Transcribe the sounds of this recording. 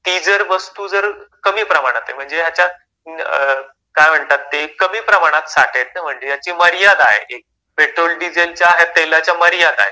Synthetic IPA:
t̪id͡zəɾʋəst̪uːd͡zəɾkəmiːpɾəmaɽ̃at̪aem̤əɳd͡zejat͡ɕja | kajm̤əɳt̪at̪ːekəmiːpɾəmaɽ̃at̪saʈʰet̪̚nam̤əɳd͡zejat͡ɕiːməɾjad̪aɦḛʔek̚ | peʈɾolɖid͡zelt͡ɕjaːɦet̪ːelat͡ɕjaməɾjad̪a̰ɦḛ

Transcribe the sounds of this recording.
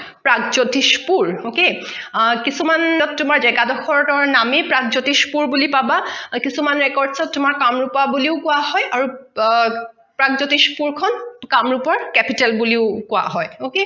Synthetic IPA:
pɹaɡzotispuɹoke | kisumanɔttːumaɹzɛɡadɔxʰɔɹɔtɔɹnamepɹaɡ̚zotispuɹbulipabakisumanɹɛkɔɹdsɔttːumaɹkamɹupabuliʊkʊaɦɔjaɹu | pɹaɡzotispuɹkʰɔnkamɹupɔɹkɛpitɛlbuliʊkʊa̰ɦɔjoke

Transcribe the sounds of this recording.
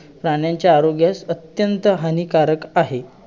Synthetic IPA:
pɾaɳjaɲt͡ɕjaːɾoɡjasət̪jənt̪əɦanikaɾəkaɦe

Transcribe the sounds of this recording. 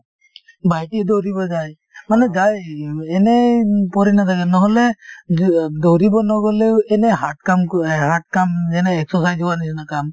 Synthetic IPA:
bajtidɔwɾibɔzaj | manɛzajɛnɛpɔɾinatʰaɡɛnɔɦɔlɛ | dɔwɾibɔnɔɡɔlewɛnɛɦatkamhat̚kamɛnɛɛksɔsajzɔwanisɔnakam

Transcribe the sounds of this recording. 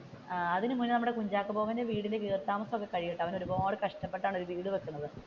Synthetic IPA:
ɐðinɨmunːɨnɐmːuɽekuɲd͡ʑaːkːɨpo̞ːɣaːndeʋiːɽilekːiːrt̪aːmɐsɐmokːe̞kɐɻijiʈːɐʋɐno̞ɾuboːɽɨkɐʂʈɐpːe̞ʈːaːɳo̞ɾuʋiːɽuʋekːunːɐðɨ

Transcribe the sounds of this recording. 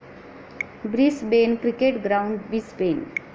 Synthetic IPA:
bɾisbeːnkɾikeʈɡɾaʊ̃ɳɖbisbẽːn

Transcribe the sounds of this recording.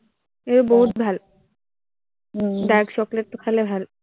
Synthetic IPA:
eoboɦut̪̚bʱal | ɖakʃɔklet̪ːokʰalebʱal

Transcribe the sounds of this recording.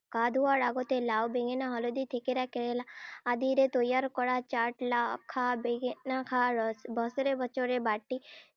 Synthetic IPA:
kad̪ʱuaɾaːɡot̪elaːwbeɡenaɦɔlod̪it̪ʰekeɾakeɾelaːd̪iɾet̪ojaɾkɔɽat͡ʃaʈlakʰːabeɡnakʰaɾbɔsɾebɔt͡ʃoɾebaːʈːi

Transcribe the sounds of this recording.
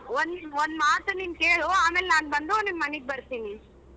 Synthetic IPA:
ond̪ond̪maːt̪ɐniːmkeːɭoaːmeːlnaːnbɐnd̪unimmɐniɡ̚bɐɾt̪ini

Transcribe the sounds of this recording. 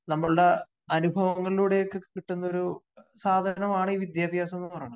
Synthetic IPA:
nɐmːɐɭuɽe | ɐnubʱɐʋɐŋːɐɭiluːɽe̞jokːekiʈːunːɐo̞ɾu | saːd̪ʱɐnɐmaːɳɨiːʋid̪jaːbʱjaːse̞nːppɐrɐjːɐɳɐ

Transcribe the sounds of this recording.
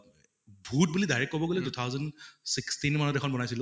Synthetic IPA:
bʱut̚bulidajɹɛkːɔbɔɡolɛdut̪ʰawzɔndsikstinmanɔtɛxʰɔnbɔnajsil

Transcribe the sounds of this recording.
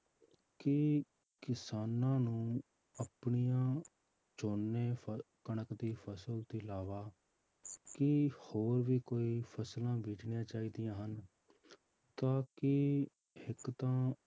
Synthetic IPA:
kɪ | kɪsaːnãːnũː | əpɳijãː | t͡ʃoːnːeːkəɳəkd̪iːpʰəsəlt̪ilaːʋaː | kɪhoːɾʋiːkoːiːpʰəslãːbiːʈɳɪjãːt͡ʃaːiːd̪ijãːɦən | t̪ãːkɪ | hɪkt̪ãː

